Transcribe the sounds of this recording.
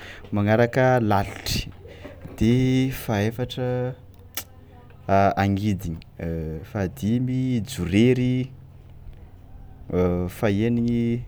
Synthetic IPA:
maŋaɾakəlaluʈ͡ʂi̥d̪̥efaefaʈ͡ʂə | aŋid̪iɲi̥fad̪imid͡zuɾeɾi | faeniɲi

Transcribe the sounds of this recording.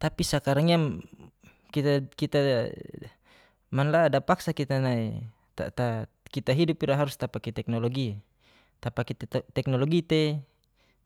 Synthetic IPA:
t̪apisakaɾaŋiam | kit̪akit̪a | manladapaksakit̪anaḭ | t̪a̰t̪a | kit̪aɦidupiɾaɦaɾust̪apakit̪ɛk̚nɔlɔɡi | t̪apakit̪at̪ɛk̚nɔlɔɡit̪ɛ

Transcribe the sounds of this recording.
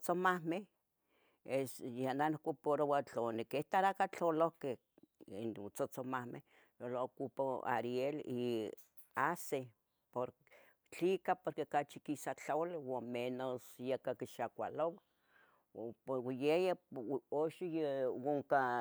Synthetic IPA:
t͡somahmeh | esjananokʷopoɾowat͡ɬonekeht̪aɾakat͡ɬolohkeh | inut͡sot͡somahmḛh | jolokupoa̰ɾieli | ase | poɾ | t͡ɬikapoɾkekat͡ʃikisat͡ɬalwamenosjekakiʃakʷa̰lowa | poɾwjejaoʃijewoŋka

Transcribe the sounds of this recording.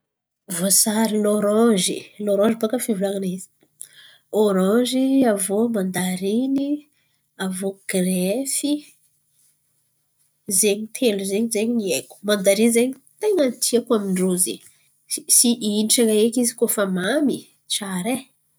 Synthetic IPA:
vosaɾiloɾɑ̃ʒḭloɾɔ̃ʒibakəfivulaŋanizi̥ | oɾɑ̃ʒiavomand̪aɾini | avoɡ̥refi | zeɲit̪ʰeluzeɲzeɲieku̥mand̪aɾinzeɲi | t̪eŋənt̪ʰiakuaminɖ͡ʐozḛ | isiʔiniʈ͡ʂaŋaekizikofamami | t͡ʃaɾe

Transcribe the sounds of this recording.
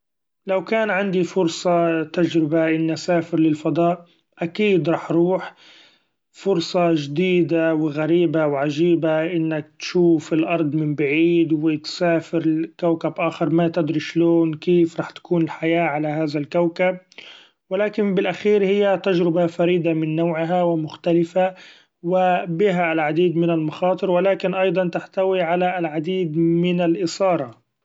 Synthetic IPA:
lawkaːnʕand̪ifʊɾsˤɑt̪ad͡ʒɾɪbaʔɪnːasaːfɪɾlɪlfɑd̪ˤɑːʔ | ʔakiːd̪ɾˤɑːħɾˤuːħ | fʊɾsˤɑʒd̪iːd̪awɪɣaɾiːbawʕaʒiːbaʔɪnːak̚t̪ʃuːfɪlʔɑɾˤd̪ˤmɪmbaʕiːd̪wɪt̪saːfɪɾkawkabʔaːxɪɾˤmat̪ɪd̪ɾiʃloːnkeːfɾˤɑːħt̪ḁkuːnɪlħajaːʕalaɦaːðalkawkab̚ | wɪlaːkɪnbɪlʔaxiːɾhɪjːat̪ad͡ʒɾɪbafaɾiːd̪amɪnːoːʕɪɦawɪmʊxt̪alɪfa | wɪbɪɦaɪlʕad̪iːd̪mɪnalmɑxɑːt̪ˤɨɾwɪlaːkɪnʔɑjd̪ˤɑnt̪aħt̪awiʕalalʕad̪iːd̪mɪnalʔɪsɑːɾˤɑ

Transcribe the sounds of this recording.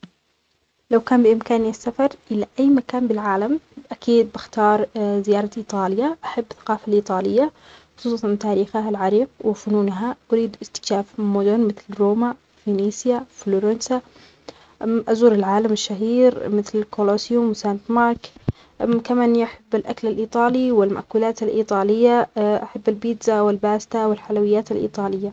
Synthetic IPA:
lawkaːnbɪʔɪmkaːnasːafɑɾˤʔɪlaʔajːmakaːnbɪlʕaːlamʔakiːd̪̚bɪxt̪ɑːɾˤzɪjɑːɾˤɑʔiːt̪ˤɑːlɪjaʔaħabːθḁqɑːfalʔiːt̪ˤɑːlɪjːa | xʊ̥sˤuːsˤɑnt̪aːɾiːxaɦalʕɑɾiːqwɪfʊnuːnɦaʔʊɾiːd̪ʔɪst̪ɪ̥kʃaːfmʊd̪ʊnmɪθlɾoːma | finiːsjafloːɾansa | ʔazuːɾɪlʕaːlamɪʃːaɦiːɾmɪθllkolosjʊmwɪsant̪mɑɾˤk | kamaːnːiʔaħabːɪlʔaklalʔiːt̪ˤɑːliwɪlma̰ʔkuːlaːt̪alʔiːt̪ˤɑːlɪjːaʔaħabːalbiːd̪zawɪlbaːst̪awɪlħalawɪjːaːt̪alʔḭːt̪ˤɑːlɪjːa

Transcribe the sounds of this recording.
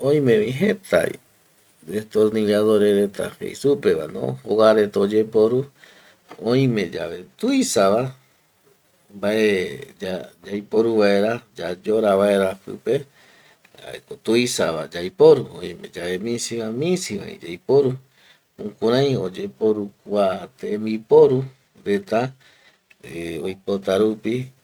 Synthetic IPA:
õj̃mẽβĩɦet̪a̰ḭ | d̪et̪oɾniɾaðoɾeɾet̪a̰hḛjsupeβa̰nõ̰hoɣaɾet̪od͡ʒepoɾu | õjĩmẽ̞d͡ʒa̰βe̞t̪ujsaβa | mbaʔed͡ʒad͡ʒajpoɾuβaeɾad͡ʒad͡ʒoɾaβae̞ɾapɨ̰pe̞ | a̰ḛkot̪uisaβa̰d͡ʒajpoɾuõ̰ĩmẽd͡ʒaβemĩsiβamĩsiβa̰ḭ̃d͡ʒajpoɾu | ũkuɾãj̃od͡ʒe̞po̞ɾukʷat̪eẽmbipo̞ɾu | ɾe̞t̪a | eojpot̪aɾupi

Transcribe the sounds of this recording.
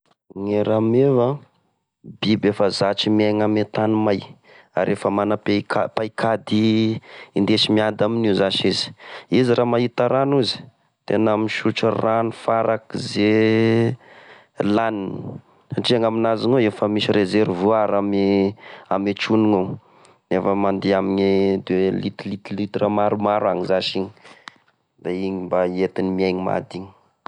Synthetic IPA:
ŋeɾameva | bibefəzat͡ʃimiaŋamet̪animaj | a̰ɾefəmanapekapajkʰad̪i | ind̪eʃimiad̪aminizaʃizi̥iziɾamaɦit̪aɾanuzi̥ | t̪enamiʃuʈ͡ʂəranifaɾakize | lanini̥ | saʈ͡ʂiaŋaminazinoefəmiʃiɾezeɾvuaɾamiamet͡ʃuniŋo | nefəmand̪eamiɲid̪elit̪ilit̪lit̪ramaɾumaɾaŋizaʃiɲi̥ | d̪̥aiɲimbaet̪inimiajɲima̰d̪iɲi̥

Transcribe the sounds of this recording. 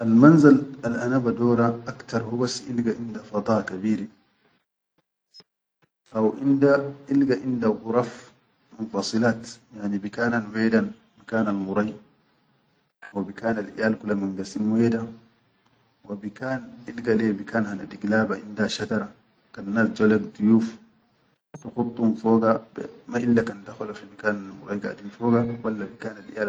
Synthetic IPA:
ʔalmanzalalʔanabadoːɾaʔakt̪ɑɾˤhubasːiʔilɡaʔind̪afɑd̪ˤɑːkabiːɾi | ʔawʔind̪aʔilɡaʔind̪aɣʊɾˤɑf | munfɑsˤɨlaːt̪jaʕnibikaːnanweːdan | makaːnalmuɾˤɑj | wabikaːnalʔḭjaːlkulaminɡasimweda | wabikaːnʔilɡalebikaːnhana̰diɡlaːbaʔindaʃat̪ɑɾˤa | kanːaːsd͡ʒolaɡd̪ujuːf | tuxut̪ˤːumfoːɡabmaʔilːakandaxalafimakaːnalmṵɾɑjɡa̰dinfoːɡawalːabikaːnalʔḭjaː

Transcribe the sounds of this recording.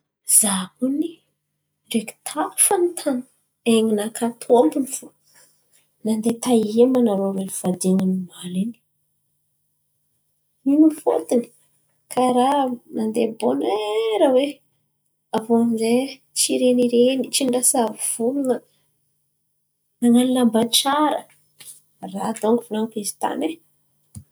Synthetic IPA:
z̥akuni | ɖ͡ʐeki̥t̪ʰafanit̪ʰan | eŋinakat̪ʰombinifu | nand̪et̪aiemanaɾowev̥ad̪eŋinimalini̥ | minufo̰t̪ini̥ | kʰaɾanand̪eboneɾawe | avomze | t͡ʃiɾeniɾenit͡ʃiɳɖ͡ʐasaviv̥ulunə | naŋalinambant͡ʃaɾə | rad̪oŋivunaŋkizi̥t̪a̰ne

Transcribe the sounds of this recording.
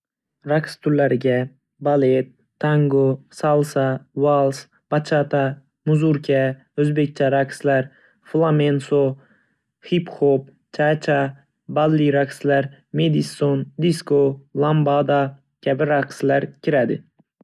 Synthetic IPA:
ɾakst̪ʰʊɾlæɾɪɡʲæ | balet̪ʰːaŋɡosalˠsɑwalˠs | b̥ɑt͡ʃʰɑt̪ɑ | muzuɾkʰʲa | øzbek̚ʲt͡ʃʰaɾakslæɾ | flˠamenso | hipxop | t͡ʃʰat͡ʃʰa | balːiɾakslæɾ | med̪isond̪iskolˠambɑd̪ɑ | kʲʰæbɪɾakslæɾkʲʰiɾæd̪ɪ

